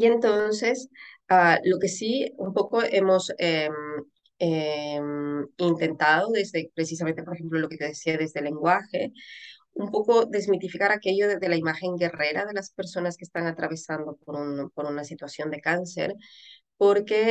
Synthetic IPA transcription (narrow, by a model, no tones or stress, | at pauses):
ie̞nt̪o̞nse̞s | alo̞ke̞siumpo̞ko̞ʔe̞mo̞sem | emint̪e̞nt̪aðoðe̞zðe̞pɾe̞sis̬ame̞nt̪epoɾexe̞mplolo̞ke̞t̪eðesiaðe̞zðe̞le̞ŋɡwaxe̞ | umpo̞ko̞ðe̞zmit̪ifikaɾake̞ʝo̞ððe̞laimaxe̞ŋɡe̞re̞ɾaðe̞laspe̞ɾso̞naske̥st̪aŋat̪ɾaβe̞sand̪o̞po̞ɾunpo̞ɾunasit̪wasjo̞nd̪e̞kanse̞̰ɾpo̞ɾke̞